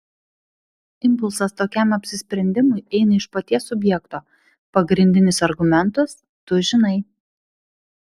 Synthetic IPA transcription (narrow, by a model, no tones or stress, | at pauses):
ɪmpʊlˠsɐst̪oːkʲɛˑmɐpʲsʲɪsʲpʲɾʲɛnʲd̪ʲɪmʊɪʔɛɪnɐɪʃpɐt̪ʲiɛsʊbʲjɛkt̪oː | pɐɡɾʲɪnʲd̪ʲɪnʲɪsɐɾɡʊmʲɛnt̪ʊs | t̪ʊʒʲɪnɐɪ